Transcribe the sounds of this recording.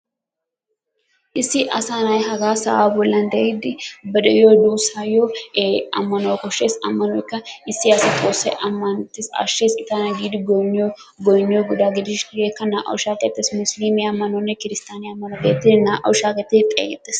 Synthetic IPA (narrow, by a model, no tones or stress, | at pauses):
ʔɪsːɪʔɐsanɐjɦɐɡaːsɐ̰ʔaːbɔlːɐnd̪ɐid̪ɪbɐd̪ɐjod̪uːsajoɐ̰mːɐnokɔʃeːsɐmːɐnɔjɪkːɐɪsːɪɐsɪt̪ʼoːsːɛʔɐmːɐnt̪ːɪsɐ̰ʃːeːskʼɪt̪anɐɡid̪ɡɔɲːo | ɡɔjɲːoɡʊd̪aɡɪd̪ɪʃeːkːɐnaʔɐ̰wʃaːkʼɛt̪ʼːesmʊsliːmiɐmːɐnonːɛkɪɾɪst̪aːniɐmːɐnokeːt̪ːɪnaʔɐ̰wʃaːkʼɛt̪ːɪt̪ʼːɛ̰ɡɛt̪ʼːeːs